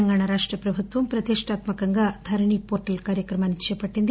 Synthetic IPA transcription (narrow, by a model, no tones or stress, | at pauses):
ɐŋɡaːɳɐɾaːʂʈrɐpɾɐbʱut̪ʋɐmpɾɐt̪iʂʈaːt̪mɐkɐŋɡɐd̪ʱɐɾɳipoːɾʈːilkaːɾjɐkɾɐmaːnit͡ʃːɐjɐpːɐʈːind̪